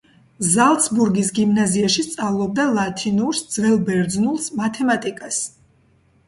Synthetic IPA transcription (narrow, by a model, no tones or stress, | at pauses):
zalˠt̪sbuɾɡisɡimnaziaʃist̪sʼavlˠɔb̚d̪alˠat̪ʰinuɾsd̪zvɛlˠbɛɾd̪znulˠsmat̪ʰɛmat̪ʼikʼas